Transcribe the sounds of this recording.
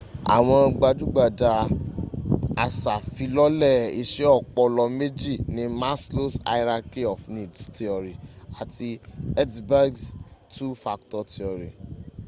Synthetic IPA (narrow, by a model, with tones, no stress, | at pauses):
a̰˨w̃ɔ̃˧ɡ͡ba˧d͡ʒu˦ɡ͡ba˦˨da˧ | a˨sa˨fi˨˧lɔ˦lɛ˦˨i˧ʃe˦ɔ˦˨k͡pɔ˧lɔ˧me˦d͡ʒi˦˨nĩ˨˦ma˦slo˦sa̰˧i˦ɾa˧ki˦ɔ˨fnĩ˨dsti˧ɔ˨ɾi˨a˨ti˧ɛ˦dba˦ɡstu˦fa˧ktɔ˧ti˨ɔ˨ɾi˨